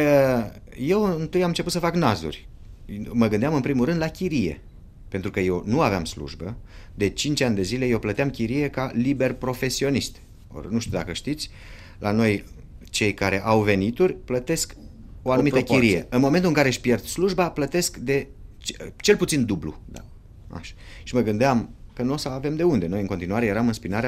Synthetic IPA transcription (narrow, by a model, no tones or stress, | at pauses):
je̞wɨnt̪ɨjamɨnt͡ʃeput̪səfaknazṵrʲ | məɡɨnd̪eamɨnpɾimulrɾɨnd̪lakʲiɾije̞̰ | pe̞nt̪ɾukəje̞wnuaveamslṵʒbəd̪e̞t͡ʃint͡ʃanʲd̪e̞zile̞jewplət̪eamkʲiɾije̞kalibe̞rpɾo̞fe̞sio̞nist̪ʲ | o̰rnuʃt̪ud̪a̰kəʃt̪it̪sʲ | lʔano̞j | t͡ʃe̞jkaɾe̞ʔawve̞nit̪urʲplət̪e̞sk | o̞anumit̪əkiɾijeɨnmo̞ment̪ulɨŋkaɾeʃpje̞rd̪sluʒbaplət̪e̞skd̪e̞ | t͡ʃt͡ʃe̞lput̪sind̪ublṵd̪a | a̰ʃḁʃiməɡɨnd̪eamkənuosəave̞md̪e̞und̪e̞no̞jɨnŋko̞nt̪inuaɾe̞je̞ɾamɨnspinaɾea